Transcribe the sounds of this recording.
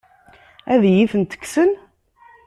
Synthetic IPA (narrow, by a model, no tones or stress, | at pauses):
æðjiθənt̪ə̥ksən